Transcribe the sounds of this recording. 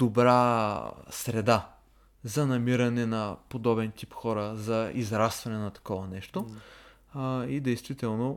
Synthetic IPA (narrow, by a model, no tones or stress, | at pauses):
d̪obɾa | sɾɛd̪a | zɐnɐmiɾɐnɛnɐpod̪ɔbɛnt̪ipxɔɾəzɐizɾast̪vɐnɛnɐt̪ɐ̥kɔvɐnɛʃt̪o | id̪ɛjst̪vit̪ɛlˠno